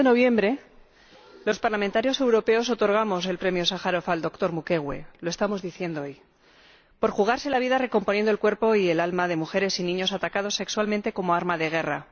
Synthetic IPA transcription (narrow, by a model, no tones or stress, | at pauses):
enoβje̞mbɾe̞ | lo̞spaɾlamẽnt̪aɾjo̞se̞wɾo̞pe̞o̞s̬o̞t̪o̞ɾɣ̞amo̞s̬e̞lpɾe̞mjo̞saxaɾo̞fald̪o̞kt̪o̞ɾmuke̞ɣwe̞̰lo̞est̪amo̞zðiθje̞nd̪ooj | po̞ɾxuɣ̞aɾse̞laβ̞iðare̞ko̞mponje̞nd̪o̞lkwe̞ɾpo̞ie̞lalmaðe̞muxe̞ɾe̞sinĩɲo̞sat̪akað̞o̞sːe̞kswalmẽnt̪e̞ko̞mo̞aɾmaðe̞ɣ̞e̞ra